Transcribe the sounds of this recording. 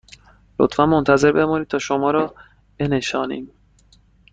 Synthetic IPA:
lot̪fænmont̪ʰæze̞ɾbe̞mɒːniːd̪̚t̪ʰɒːʃomɒːɾɒː | b̥e̞ne̞ʃɒːnḭːm

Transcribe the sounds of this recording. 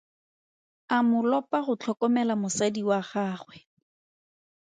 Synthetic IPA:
amʊlɔpaχʊt͡ɬʰɔkɔmɛlamʊsadiwaχaːχwɛ

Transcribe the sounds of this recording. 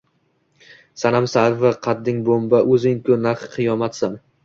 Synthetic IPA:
sanamsavaqʰɑd̪ːɪŋbombaʔɵzɪŋkʰʊnaɾχqʰɨjɒmat̪san

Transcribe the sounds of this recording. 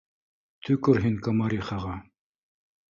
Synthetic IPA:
t̪ʰʉkɵɾɦiŋkamɑɾiχɑʁɑ

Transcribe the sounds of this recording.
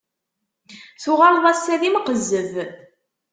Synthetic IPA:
θʊʁɑɾˤðˤɑsːæðimqəzːəv

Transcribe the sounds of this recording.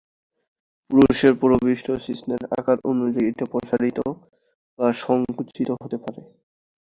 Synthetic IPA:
puɾuʃeɾpɔɾobiʃʈosisneɾa̰kaɾʔonud͡ʑajeʈapɾɔt͡ɕaɾit̪o | baʃɔŋkut͡ɕʰit̪oɦot̪epaɾe

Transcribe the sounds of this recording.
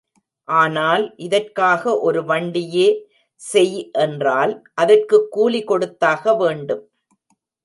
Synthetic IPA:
ʔaːnaːlʔɪðɐrkaːɣɐʔɔɾɯʋɐɳɖɪjeː | sɛjʔɛndraːlʔɐðɐrkɯkːuːlɪkɔɽɯt̪ːaːɣɐʋeːɳɖɯm

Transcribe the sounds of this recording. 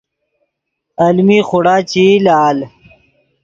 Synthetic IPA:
ɐlmiːxʊɽaːt͡ɕilaːl

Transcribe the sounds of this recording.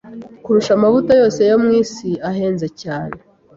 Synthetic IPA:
kuɾuʃamavutajo̞ːse̞jo̞mŋiːsiaɦe̞ːnze̞caːne

